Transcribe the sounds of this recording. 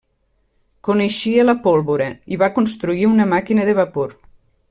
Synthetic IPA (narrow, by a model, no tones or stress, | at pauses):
koneʃiələpolˠβoɾəiβakonst̪ɾuiunəmakinəðeβapoɾ